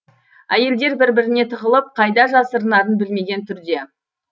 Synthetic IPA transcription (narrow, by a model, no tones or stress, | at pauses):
æje̞ld̪e̞ɾbɪɾbɪɾɪne̞t̪ʰəʁəlˠəp̚qʰɑjd̪ɑʒɑsəɾənɑɾənbɪlme̞ɡʲe̞nt̪ʰʏɾd̪e̞